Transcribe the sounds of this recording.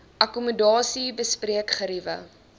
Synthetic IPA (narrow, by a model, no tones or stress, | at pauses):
ʔɐkumədɑːsibəspriəkχəɾivə̰